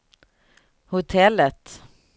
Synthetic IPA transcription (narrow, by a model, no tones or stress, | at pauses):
hʊt̪ʰɛlːət̪